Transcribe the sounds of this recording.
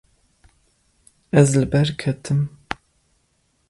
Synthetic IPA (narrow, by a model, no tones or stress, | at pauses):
ɛzlɨbɛɾkʰɛt̪ʰɨm